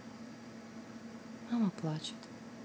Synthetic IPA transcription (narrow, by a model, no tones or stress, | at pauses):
mamaplˠaːt͡ɕḁt̪